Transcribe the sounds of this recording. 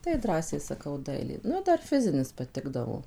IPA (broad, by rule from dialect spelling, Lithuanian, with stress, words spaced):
tɐɪ ˈdrɑːsʲɛɪ sɐˈkɐʊ ˈdɐɪlʲeː ˈnʊ ˈdɐr ˈfʲɪzʲɪnʲɪs pɐˈtʲɪɡdɐʋoː